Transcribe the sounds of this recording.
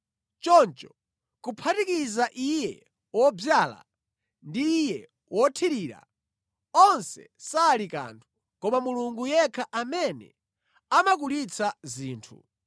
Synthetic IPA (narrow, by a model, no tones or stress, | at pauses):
t͡ʃɔnt͡ʃɔ | kupʰatikizaʔijɛ | wɔb͡ʐjaːla̰ | ndiːjɛ | wɔtʰiɾiːɾa̰ | ɔnsɛ̰ | saːlika̰ːntʰu̥ | kɔmamuluŋɡujɛkʰaʔamɛnɛ̰ | amakulit͡sʰaziːntʰṵ